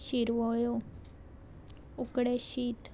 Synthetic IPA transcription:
ɕiɾʋɔjo | ukɽeɕiːt̪

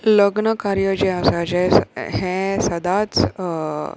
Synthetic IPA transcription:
ləɡnəkaɾjəd͡ʒeasad͡ʒeɦɛ̃sɐd̪at͡s

